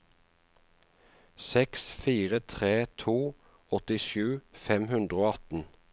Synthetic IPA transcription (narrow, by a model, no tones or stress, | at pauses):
sɛksfiːʁət̪ʰʁeːt̪ʰuː | ɔt̪ɪʃʉːfɛmhʉnd̪ʁəoːɑt̪n̩